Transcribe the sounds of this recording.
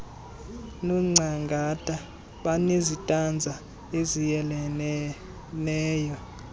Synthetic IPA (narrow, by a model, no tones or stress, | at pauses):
nɔŋ͡ǀʱaŋɡʱatʼa | ɓanezitʼand͡zʱa | ezijɛlɛ | nɛːjɔ